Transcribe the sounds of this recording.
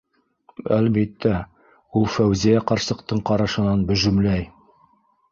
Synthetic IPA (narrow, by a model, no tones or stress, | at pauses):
ælbit̪ːæ | ulˠfæwzijæqɑɾsɤ̆qt̪ɤɴqɑɾɑʃɤ̆nɑnbɵ̆ʒɵ̆mlæj